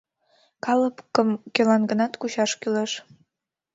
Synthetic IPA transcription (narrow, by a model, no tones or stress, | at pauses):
kɑləpkəmkølɑnɡənɑt̪kuɕɑʃkyleʃ